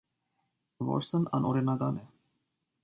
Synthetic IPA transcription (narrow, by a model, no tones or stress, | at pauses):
vɔ̰ɾsənɑ̰nʔɔɾinɑɡɑnɛ